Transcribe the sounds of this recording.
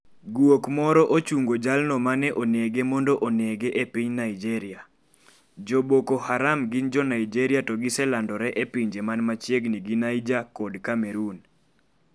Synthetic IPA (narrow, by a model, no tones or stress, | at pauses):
ɡwokmɔɾɔʔot͡ʃuŋɡod͡ʒalnɔmanɛʔoneɡemɔndɔʔoneɡeʔepiɲnaid͡ʒɛɾɪa | d͡ʒobokohaɾamɡɪnd͡ʒɔnaid͡ʒɛɾiatɔɡɪsɛlandɔɾɛʔepiɲd͡ʒemanmat͡ʃjeɡniɡinaid͡ʒakɔdkameɾun